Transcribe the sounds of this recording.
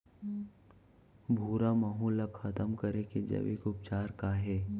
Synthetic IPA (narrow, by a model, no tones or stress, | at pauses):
bʱuːɾaməɦũləkxɐt̪əmkəɾeked͡ʒɐ̰ʋɪ̰kʊp̚t͡ʃaːɾkaɦɛː